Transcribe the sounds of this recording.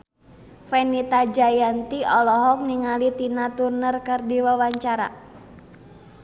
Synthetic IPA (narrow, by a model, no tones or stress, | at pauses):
fɛnit̪ad͡ʒajant̪iɔlɔɦɔk̚niŋalit̪inat̪urnərkɨrdiwawaɲt͡ʃaɾa̰